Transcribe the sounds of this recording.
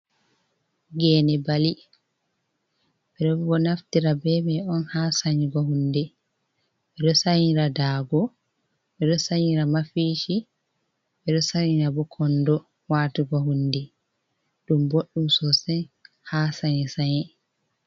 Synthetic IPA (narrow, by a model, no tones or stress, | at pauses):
ɡɛnɛbali | ɓɛɗɔbɔnaftiɾabɛmɛɔnhasaɲiɡɔɦundɛ | ʔɛdɔsaɲiɾadaːɡɔ | ɓɛɗɔsaɲiɾamafiːʃi | ɓɛɗɔsaɲiɾabɔkʰɔndɔ | waːtuɡɔɦundɛ | ɗumboɗːumsɔsɛn | haːsaɲɛsaɲɛ